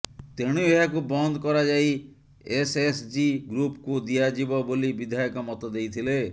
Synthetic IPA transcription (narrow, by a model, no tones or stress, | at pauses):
t̪eɽ̃ueɦakubɔnd̪ɔkɔɾad͡ʒai | esesd͡ʒiɡɾupkud̪iad͡ʒibɔbolibid̪ʱajɔkɔmɔt̪ɔd̪ejt̪ʰile